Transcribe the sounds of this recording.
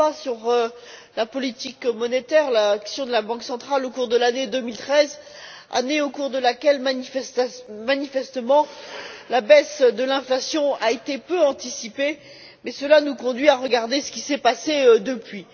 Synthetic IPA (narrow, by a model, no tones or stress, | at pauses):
asyʁø | lapɔlit̪ikmɔnet̪ɛʁlaksjɔ̃d̪əlabɑ̃ksɑ̃t̪χalokuʁd̪əlaned̪əmilt̪χɛz | a̰neokuʁd̪əlakʲɛlm | manifɛst̪əmɑ̃labɛsd̪əlɛ̃flasjɔ̃aet̪epøɑ̃t̪isipe | mɛsəlanukɔ̃d̪ɥiaʁəɡaʁd̪esə̥kʲisɛpased̪əpɥi